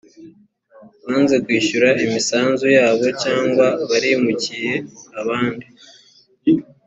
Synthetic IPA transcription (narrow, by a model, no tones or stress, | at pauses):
βaːnze̞kwiːʃuɾaʔimisaːnzujaːβo̞caːŋɡwaβaɾimucije̞aβaːndi